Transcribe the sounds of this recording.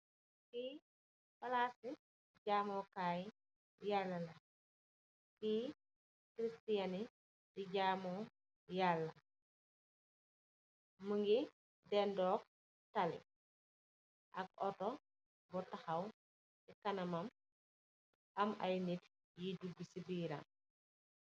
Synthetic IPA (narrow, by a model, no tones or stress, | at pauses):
ti | fɐlasi | ɟaːmɔkaːj | jalːɐlɐ | ti | kɾistijani | diɟaːmɔ | jalːɐ | məŋɡi | dɛndɔːk̚ | talḭ | ʔɐk̚ɔtɔ | bɔtaxɐw | dikɐnɐmɐm | ʔɐma̰jnit | jiduɡːisibiːɾa̰n